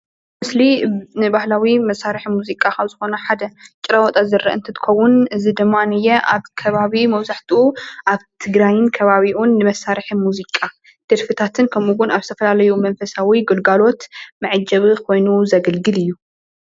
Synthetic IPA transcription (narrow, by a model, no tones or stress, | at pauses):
mɨslinɨbahlawimɐsːaɾiħmuzikʼakʰɐβzɨxo̞nɐħad̪ɐt͡ʃʼɪɾɐwɔt̪ʼazɨrːɐʔɨ̰nt̪ʰɨt̪ʰɨ̥xɐwːʊnɨzid̪ɨmːanɨjɛʔa̰βkʰɐβaβimɐβzaħt̪ʰɨuʔaβt̪ʰɨɡɾajɪnkʰɐβaβiʔunːɨmɐsːaɾħimuzikʼa | d̪̥ɨɾfɨt̪ʰat̪ʰɨnkʰɐmuɡʊnaβzt̪ʰɐfɐlalɐjumɐnfɐsawiɡɨlɡalo̞t̪mɐʕɨd͡ʒɐβɨkʰo̞jnuzɐɡɐlɡɨlɨjːu